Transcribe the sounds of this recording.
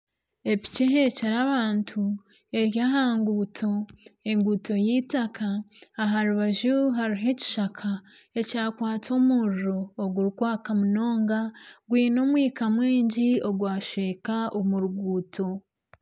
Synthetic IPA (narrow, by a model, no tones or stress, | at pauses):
e̞pi̥ceɦe̞ceɾaβaːntʰu | e̞ɾjaɦaːŋɡuːtʰo̞e̞ŋɡuto̞jiːtakaːɦaɾuβaʒuɦaɾiɦe̞ci̥ʃakʰa | ecaːkwaːt͡so̞muɾuɾo̞ːɡuɾukwaːkamuno̞ːŋɡaɡwiːno̞mwiːkamwiːɲɟio̞ɡwaːʃeːkaomuɾuɡuːtʰo̞